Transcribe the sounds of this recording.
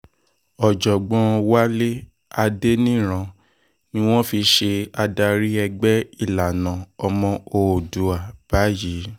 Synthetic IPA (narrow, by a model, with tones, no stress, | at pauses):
ɔ˨d͡ʒɔ˨ɡ͡bɔ̃˧wa˦le˦ | a˧de˦nĩ˦˨ɾ̃ã˧ | nĩ˦w̃ɔ̃˦fi˧ʃe˧a˧da˧ɾi˦ɛ˧ɡ͡bɛ˦i˦˨la˨nã˨ɔ˧mɔ̃˧o˧˨du˨˦a˨b̥a˨˦jiː˨˦